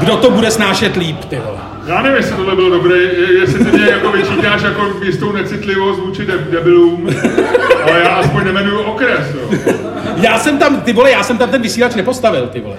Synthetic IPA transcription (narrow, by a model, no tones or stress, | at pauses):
ɡdot̪o̞budɛsnaːʃɛt̪liːpt̪ɪvolɛ̰ | jaːnɛvɪmjɛsɪt̪odlɛbɪlodobɾejjɛsɪt̪ɪmɲɛjakovɪt͡ʃiːt̪aːʃjakomist̪ownɛt͡sɪt̪lɪvo̞st̪vuːt͡ʃɪdɛdɛbɪluːm | ʔalɛjaːʔaspoɲnɛmɛnujuʔokɾɛsjo | jaːsɛmt̪amt̪ɪbolɛjaːsɛmt̪amt̪ɛnvɪsiːlat͡ʃnɛpo̞st̪avɪlt̪ɪbo̰lɛ̰